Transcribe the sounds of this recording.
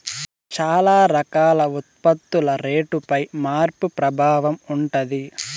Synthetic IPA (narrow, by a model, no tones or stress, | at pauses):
t͡ʃaːlaːɾɐkaːlɐut̪̚pɐt̪ːulɐɾeːʈupɐjmaːɾpupɾɐbʱaːʋɐmuɳʈɐd̪i